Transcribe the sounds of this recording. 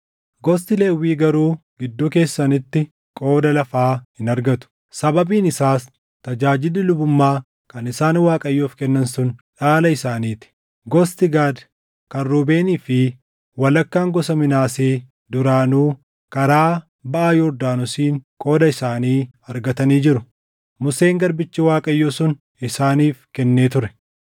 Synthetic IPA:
ɡɔs̬t̪ɪleːwiːɡɐɾuːɡɪd̪ːuːke̞ːsːɐnɪt̪ːɪ | kʼo̞ːd̪ɐlɐfaːhɪnɐɾɡɐt̪ʊ̥ | sɐbɐbiːnɪsaːs | t̪ɐd͡ʒaːd͡ʒɪlːɪlʊbʊmːaː | kɐnɪsaːnwaːkʼɐjːuːfkɛnːɐnsʊnᶑaːlɐɪsaːniːt̪ɪ̥ | ɡɔst̪ɪɡaːd̪ | kɐrːuːbe̞ːniːfɪ | wɐlɐkːaːŋɡɔsɐmɪnaːseː | d̪ʊɾaːnuː | kɐɾaː | bɐʔaːjɔɾd̪aːnʊsiːŋkʼo̞ːd̪ɐɪsaːniː | ɐɾɡɐt̪ɐniːd͡ʒɪɾʊ | mʊse̞ːŋɡɐɾbɪt͡ʃːɪwaːkʼɐjːoːsʊn | ɪsaːniːfkɛnːe̞ːt̪ʊɾɛ̥

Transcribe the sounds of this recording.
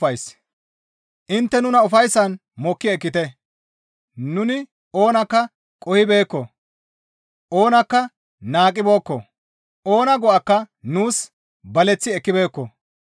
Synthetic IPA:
ɐjs | ʔɪnt̪ːɛnʊnɐʊfɐjsːɐn | mɔkːɪɛkːɪt̪ɛ | nʊnɪ | o̞ːnɐkːɐ | kʼɔhɪbe̞ːkːɔ | ʔo̞ːnɐkːɐ | naːkʼːɪbo̞ːkːɔ | o̞ːnɐɡɔʔɐkːɐnuːs | bɐlɛt͡sːɪɛkːɪbe̞ːkːɔ̰

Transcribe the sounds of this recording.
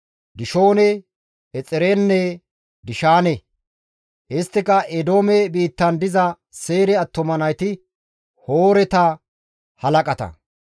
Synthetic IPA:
d̪ɪʃo̞ːnɛ | ɛt͡sʼɛɾenːɛ | d̪ɪʃaːnɛ | ʔɪst̪ːɪkɐʔɛd̪o̞ːmɛbiːt̪ːɐnd̪ɪzɐ | se̞ːɾɛɐt̪ːɔmɐnɐjt̪ɪ | hoːɾɛt̪ɐ | hɐlɐkʼɐt̪ɐ̰

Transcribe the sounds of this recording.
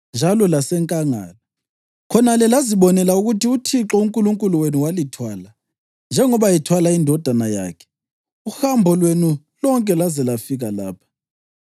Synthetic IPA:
nd͡ʒʱalɔlasɛŋkʼaŋa̰ːla | kʰɔnalɛlaziɓɔnɛlauɣutiutʰiǁɔuŋkʼuluŋkʼuluwenuwalitʰwaːla | nd͡ʒʱɛŋɔβajɛtʰwalaindʱɔd̥ʱanaja̰ːkʰɛ̥ | uxambʱɔlwenu | lɔŋkʼɛlazɛlafiɣalaːpʰḁ

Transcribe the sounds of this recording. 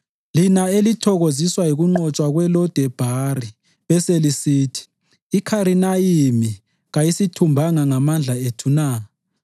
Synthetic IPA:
linaelitʰɔɣoziswajiɣuŋ͡ǃɔt͡ʃʼwaɣwɛlɔd̥ʱɛb̥ʱari | βɛselisiːtʰi̥ː | kʰaɾinajimi | ɣajisitʰumbʱaŋaŋamand͡ɮʱaetʰunaː

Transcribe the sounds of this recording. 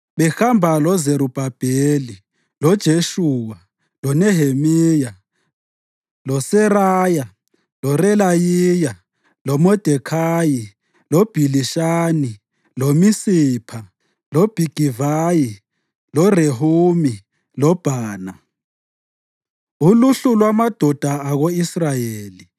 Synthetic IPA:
ɓɛxambʱalɔzeɾub̥ʱab̥ʱeli | lɔd̥ʒ̥ʱeʃuːwa | lɔnɛɦemiːja | lɔsɛraːja | lɔrɛlajiːja | lɔmɔd̥ʱɛkʰaːji | lob̥ʱiliʃaːni | lomisiːpʰa | lob̥ʱiɡ̥ʱivaji | lɔreɦuːmi | lɔb̥ʱaːna | uluɬulwamad̥ʱɔd̥ʱaaɣoisrajeːli

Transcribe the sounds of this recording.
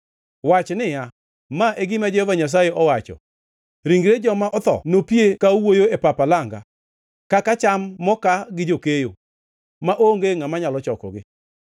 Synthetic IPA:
wat͡ʃnɪja | maʔeɡɪmad͡ʒehovaɲas̬ajeʔɔwat͡ʃɔ̰ | ɾiŋɡɾed͡ʒɔmaʔɔt̪ɔ̰nopiekawojoepapalaŋɡa̰ | kakat͡ʃamːɔkaɡɪd͡ʒokejo̰ | maʔoŋɡeŋamaɲalɔt͡ʃɔkɔ̰ɡɪ̰

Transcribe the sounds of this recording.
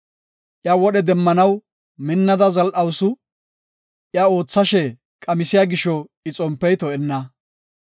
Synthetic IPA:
ʔɪjawɔɗɛd̪ɛmːɐnɐw | mɪnːɐd̪ɐzɐlʔɐwsʊ | ʔjao̞ːt͡sːɐʃɛ | kʼɐmɪsɪjaɡɪʃɔɪt͡sʼɔmpːɛjt̪ɔɛnːɐ

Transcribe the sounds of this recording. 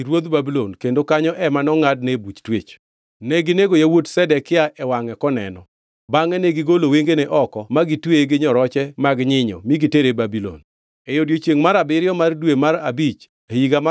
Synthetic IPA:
iɾwod̪babilonkendokaɲɔʔɛmanɔŋad̚nebut͡ʃtwet͡ʃ | nɛɡɪneɡojawodsɛdɛkɪaʔɛwaŋɛkɔnɛ̰nɔ | baŋɛnɛɡɪɡoloweŋɡeneʔɔkɔmaɡitweɡɪɲɔɾɔt͡ʃɛmaɡɲɪɲɔ̰miɡɪteɾebabilo̰n | ejodjot͡ʃjeŋmaɾabɪɾjɔmardwemaɾabit͡ʃ | eiɡam

